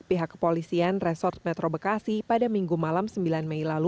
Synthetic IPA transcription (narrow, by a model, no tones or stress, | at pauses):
piɦakːə̥polisianrɛsɔrt̪̚mɛt̪ɾobəkasipadamiŋɡumalamsəmbilanmɛjlalu